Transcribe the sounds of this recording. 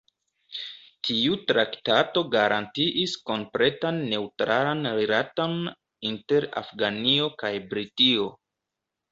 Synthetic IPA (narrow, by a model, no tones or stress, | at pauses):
tʰiutɾaktato̞ɡaɾʔantiʔisko̞mpɾe̞tanːe̞utɾʔalanɾilaton | inte̞ɾa̰fɡaniokajbɾitio̞